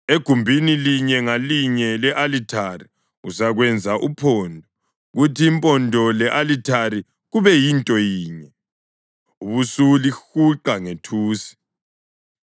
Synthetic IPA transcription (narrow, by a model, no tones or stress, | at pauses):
eɡ̥ʱumbʱiniliɲɛŋaliɲɛlɛʔalitʰari | usaɣwɛnd͡zʱaʔupʰɔːndʱɔ | ɣutʰiːmpʼɔndʱɔlɛʔalitʰaɾi | ɣuβɛjintʼɔjiːɲɛ | uβusulixuǃaŋetʰuːsi̥